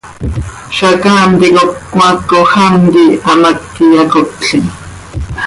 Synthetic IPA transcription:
ʃakaːmt̪ikokːmakːoxamt̪iamakːijakotɬin

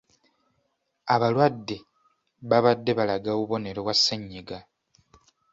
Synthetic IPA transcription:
aβalwadːe̞ | βaβadːe̞βalaɡaβuβo̞ne̞ɾewasːeɲːiɡa

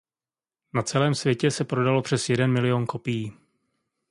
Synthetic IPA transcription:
nat͡sɛlɛːmsvjɛcɛsɛpɾo̞dalo̞pr̝̥ɛsjɛdɛnmɪlɪjo̞nko̞pijiː

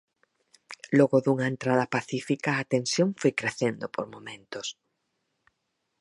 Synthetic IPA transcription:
loɣʊðuŋaent̪ɾað̞ɐpaθifikaːt̪ẽnsjoŋfojkɾeθend̪opoɾmomẽnt̪os

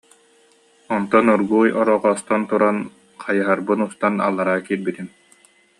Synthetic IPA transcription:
ɔnt̪ɔnuɾɡuːjɔɾɔʁɔːst̪ɔnt̪uɾan | qʰajɯɦaɾbɯnust̪ana̰lˠːaɾaːkiːɾbit̪im

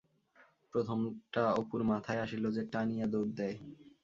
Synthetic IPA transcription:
pɾot̪ʰomʈaopuɾmat̪ʰaeaʃilod͡ʑeʈanijad̪oɾ̚d̪ɛe

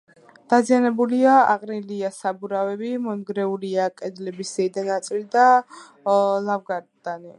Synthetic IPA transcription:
d̪̥azianɛbuliaaqʼniliasabuɾavɛbimɔnɡɾɛuliakʼɛd̪lɛbisɛid̪anat̪sʼilid̪a | lˠavɡaɾd̪ani

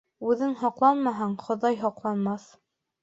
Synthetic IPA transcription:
ʉðɘŋɦɒqlˠɑnmɑɦɑɴχŏðɑjɦɒqlˠɑnmɑθ

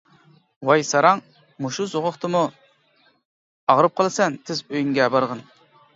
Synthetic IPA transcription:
wɑjsɑɾɑŋ | muʃuzoʁʊχt̪ʰɨmu | ɑʁɾɨp̚qʰəlˠɨsɛnt̪ʰɪzøjyŋɡʲɛbɑɾʁən

